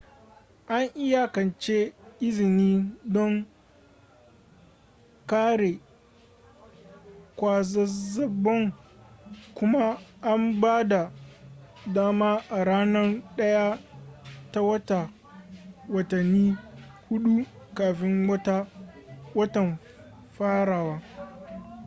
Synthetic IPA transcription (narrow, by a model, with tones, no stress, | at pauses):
ʔa˦ŋʔɪ˦ja˨kɐ˨nt͡ʃe˦ʔɪ˦zɪ˨niː˦dɔ˦ŋ | kaː˦ɽe˨ | kʷaː˦zɐ˦zɐ˨bːɔ˦ŋ | kʷʊ˦ma˦ʔa˦mbaː˦da˨ | daː˦maː˦ʔa˨ɽaː˦nɐ˦rɗɐ˦ja˦ | ta˦wɐ˦ta˨ | wɐ˨tɐ˨nːiː˦hʊ˦ɗu˦ | kaː˨ɸɪ˦ŋ˦ta˦wɐ˦tɐ˨m | ɸaː˦ɽaː˨waː˦